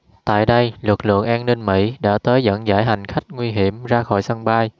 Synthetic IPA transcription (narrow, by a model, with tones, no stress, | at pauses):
t̪a̰ː˧˨jɗə˧jlɨ˨˩k̚lɨ̰˧˨əŋʔaː˧nnï˧ŋmḭ˧˥ɗa̰ː˧˥t̪əː˨˦jzə̰˧˥nza̰ː˧˥˩jɦa˨˩jŋ̟xa˦˥jk̟̚ŋwi˧ɦi˧˩əmzaː˧xɔ̰˧˩jsə˧ŋɓaː˧j